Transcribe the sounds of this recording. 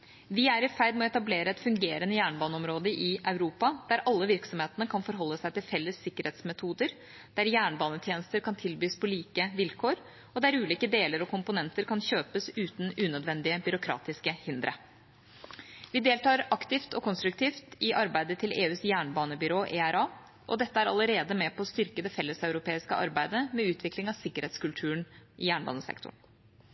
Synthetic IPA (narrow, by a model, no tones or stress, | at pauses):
ʋɪæɾɪfæɪd̪mɛɔɛt̪ɑbleːɾəɛt̪fʉŋɡeːɾənəjæːɳbɑːnəɔmɾoːd̪əʔɪʔɑʉɾuːpɑd̪̥æɾʔɑlːəʋɪɾksɔmheːt̪ənəkʰɑnfɔɾɦɔlːəsæɪt̪ɪlfɛlːəsːɪkːəɾheːt̪smɛt̪ʰuːd̪əɾ | d̪̥æɾjæːɳəbɑːnət̪ʰjeːnəst̪əɾkʰɑnt̪ʰɪlbyːspʰɔliːkəʋɪlkʰoːɾ | ɔd̪æɾʉːliːkəd̪eːləɾɔkʰʊmpʊnɛnt̪əɾkʰɑnçøːpəsʉːt̪n̩ʉːnœd̪ʋɛnd̪ɪəbʏɾʊkʰɾɑ̰ːt̪ɪskəhɪnd̪ɾʔə̰ | ʋɪd̪eːlt̪ɑːɾɑkt̪ɪft̪ɔkʰɔnst̪ɾʉk̚t̪ʰiːft̪ɪʔɑɾbæɪd̪ət̪ʰɪlʔeːʉːsjæːɳbɑːnəbʏɾoːʔeːæɾɑː | ʔɔ̰d̪ɛt̪ːəæɾɑ̰ləɾeːd̪əmɛpʰɔːst̪ʏɾkəd̪ɛfɛlːəsɑʉɾʊpʰeːɪskə̰ʔɑ̰ɾbæɪd̪əmɛʉːt̪ʰʋɪklɪŋɑʋsɪkːəɾheːt̪skʉlt̪ʰʉːɳʔɪjæːɳbɑ̰ːnəsɛ̰kt̪ʰʊ̰ɳ